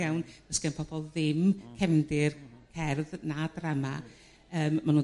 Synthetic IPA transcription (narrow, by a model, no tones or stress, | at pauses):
awnv̥əskɛnpʰɔb̥ɔlˠðɪmkʰɛmdɪrkʰɛrðnadrama | əːmːanu